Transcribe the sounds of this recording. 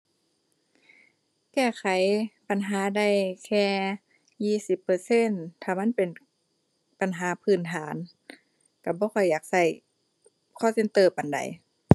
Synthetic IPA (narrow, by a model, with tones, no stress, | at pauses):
kɛː˧˩kʰa˨˦jpa˨nɦaː˨˦da˧˩jkʰɛː˧ | jiː˧˩si˧˦pːɤː˧se˧˥˨nt̪ʰaː˧˩ma˧˥˨npe˨˩n | pa˨nɦaː˨˦pʰɯː˧˩˨nt̪ʰaː˨˩˦n | ka˧˩bɔː˧˦xʰɔ˧˩jːaː˨˩k̚sa˧˩j | kʰɔː˧˥˨se˧˨nt̪ɤː˧˩pa˨nda̰˨˦j